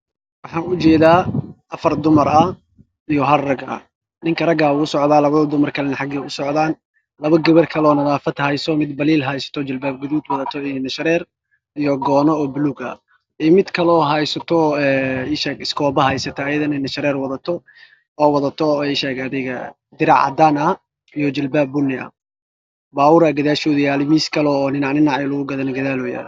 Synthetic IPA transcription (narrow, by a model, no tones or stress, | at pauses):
wɑħɑːnʊt͡ʃɛːðaːʔɐfɐrd̪ʊmɐɾɐ | ijɔɦɐrrɐɡɐ̰ | nɪŋkʰɐrɐɡaːwuːsɔʕd̪aːlɐβɐðɐd̪ʊmɐrkʰɐlɛnɐħɑɡɛʊsɔʕðaːn | lɐβɐɡɐβɐrkʰɐlɔːnɐðaːfɐd̪hɐjsɔmɪd̪bɐliːlɦɐjsɐ̥t̪ʰɔt͡ʃɐlbaːb̚ɡʊðuːd̪wɐðɐt̪ʰɔɪnɛnɐʃɐɾɛːr | ijɔɡɔːnɔɔːbʊluːɡɐ̰ | ɛmɪd̪kʰɐlɔːɦɐjsɐt̪ʰɔɛːɪʃɛɡɪskʰɔːbɐɦɐjsɐt̪ʰɐːjɐðɐnɛnɐʃɐɾɛːrwɐðɐt̪ʰɔ | ɔːwɐðɐt̪ʰɔɛʃɛːɡɐðɪɣɐ | d̪ɪɾɑ̰ʕɑ̰d̪anɐ | ijɔd͡ʒɪlbaːbːʊnːɪɐ̰ | baːwʊɾɐɡɐðaːʃɔːðʊjaːlɪmiːskʰɐlɔːnɪnɑʕnɪnɑʕɛlʊɣʊɡɐðɐnɐɡɐðaːlɔja̰ːl